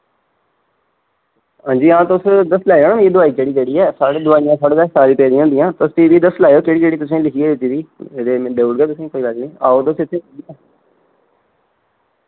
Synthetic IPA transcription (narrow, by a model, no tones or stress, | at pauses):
ɦãːɲd͡ʒiːãːt̪oʊsd̪əslaːeoːnaːeːd̪ʊaːiːd͡ʒeːɽiːd͡ʒeɽiːɛːsaːɽed̪ʊaːijãːsaːɽeɡɛsaːɾĩːpɛːd̪ĩãːõnd̪ɪjãːt̪ʊst̪iːʋiːd̪əslaːjoːkeːɽiːkeːɽiːt̪ʊs̬ẽːlɪkʰiːeːed͡ʒidiːeːɾeːbeːɽɡɛːt̪ʊsẽːkoːiːlaɡnĩːa̰ːoːt̪osɪt̪ʰːeːiɛ